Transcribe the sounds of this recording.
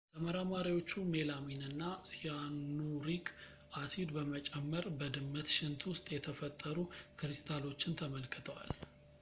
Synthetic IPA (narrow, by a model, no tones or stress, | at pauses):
t̪ʰəməɾamaɾiwo̞t͡ʃːume̞laminɨnːasijanːuɾik | ʔasid̪bəmət͡ʃʼɛmːəɾbəd̪ɨmːət̪ʃɪnt̪ʰwʊst̪ʼjɛt̪ʰəfət̪ʼːəɾukɾɨst̪ʰalo̞t͡ʃːɪnt̪ʰəməlkʰːɨt̪ʰəwa̰l